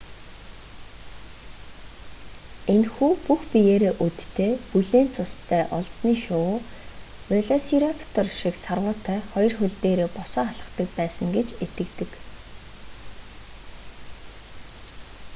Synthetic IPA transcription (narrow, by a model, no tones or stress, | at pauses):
enxuːpuxpijeːɾeːʔut̪t̪ʰːeːpuɮeːnt͡sʰʊst̪ʰæːʔɔɮsniːʃʊː | ʊɮɔsiɾapʰt̪ʰɔrʃiksarʁʊːt̪ʰœːχɔjɞ̆rxɵɮt̪eːɾeːpʊsɔːaɮə̥̆χt̪ə̆kpæːsə̆ŋɡet͡ɕet̪ɘ̆kt̪ɘ̆k